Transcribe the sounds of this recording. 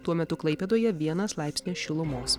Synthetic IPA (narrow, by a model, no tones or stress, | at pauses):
t̪uɔmʲɛt̪ʊklˠɐɪpʲɛd̪oːjɛʋʲiɛnɐslˠɑˑɪpʲsʲnʲeːsʃʲɪlˠʊmoːs